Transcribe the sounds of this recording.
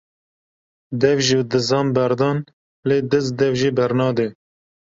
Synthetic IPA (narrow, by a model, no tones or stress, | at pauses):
d̪ɛvʒid̪ɨzɑːmbɛɾd̪ɑːn | leːd̪ɨzd̪ɛvʒiːbɛɾnɑːd̪e